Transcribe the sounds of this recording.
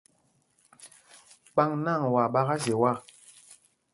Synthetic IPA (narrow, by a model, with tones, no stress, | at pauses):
k͡pa˦ŋna˦˨ŋwa˨ɓa˦ɣa˦ze˨wa˦˨